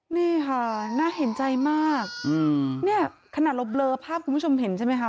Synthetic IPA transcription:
niː˥˩kʰa˥˩naː˦˥˩ɦe˨˩˦nt͡ɕa˧jmaː˥˩k̚ɯ˧ni˥˩ɐkʰa˧naː˨˩t̪̚lo˦˥p̚lɤː˧pʰaː˥˩p̚kʰu˧pʰt͡ɕʰo˧mɦe˨˩˦nt͡ɕʰa˥˩ma˦˥jkʰa˦˥

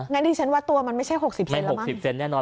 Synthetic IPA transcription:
ŋa˦˥diː˧t͡ɕʰa˦˥nwaː˦˥˩t̪u˧ɐma˧nma˥˩jt͡ɕʰa˥˩jɦo˨˩k̚si˨˩p̚sma˥˧˩nlho˨˩˦si˨˩p̚se˧nːɛː˥˩nɔː˧

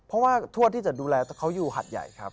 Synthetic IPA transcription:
pʰɔ˦˥waː˥˩t̪ʰu˥˩ət̪ʰːiː˥˩t͡ɕa˨˩duː˧lɛː˧t̪ɛː˧˩kʰa˦˥wjuː˨˩ɦa̰˨˩t̪̚ja̰˨˩jkʰa˦˥p̚

